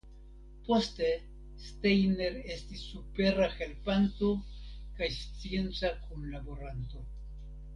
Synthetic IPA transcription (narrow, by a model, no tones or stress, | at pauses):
po̞ste̞ | stejne̞ɾe̞stisːupe̞ɾaxe̞lpanto̞kajst͡sie̞nt͡sakunlabo̞ɾanto̞